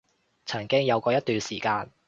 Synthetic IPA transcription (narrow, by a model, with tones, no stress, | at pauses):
t͡sʰɐ˨˩ŋkɪ˥ŋjɐ˨˧wkɔː˧jɐ˥t̪yː˨˧nsiː˨˩kaː˧n